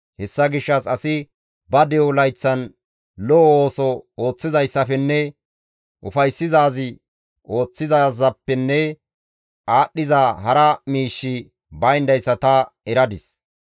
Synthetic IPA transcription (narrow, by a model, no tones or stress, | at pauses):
hɛsːɐɡɪʃːɐsɐsɪ | bɐd̪ɛwlɐjt͡sːɐn | lɔʔoːsɔo̞ːt͡sːɪzɐjsːɐfɛnːɛ | ʔʊfɐjsːɪzaːzɪ | ʔo̞ːt͡sːɪzaːzɐpːɛnːɛ | ʔaːɗːɪzaːɦɐɾɐmiːʃːɪ | bɐjnd̪ɐjsːɐt̪ɐɛɾɐd̪ɪs